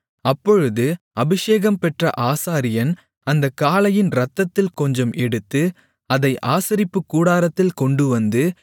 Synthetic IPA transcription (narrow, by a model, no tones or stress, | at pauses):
ɐpːɔɻɯðɯ | ɐbɪʂeːɣɐmpɛʈrɐ̰ʔaːsaːɾɪjɐn | ɐnd̪ɐkːaːlɐjɪnɾɐt̪ːɐt̪ːɪlkɔɲd͡ʒɔmʔɛɽɯt̪ːɯ | ɐðɐɪʔaːsɐɾɪpːɯkːuːɽaːɾɐt̪ːɪlkɔɳɖɯʋɐnd̪ɯ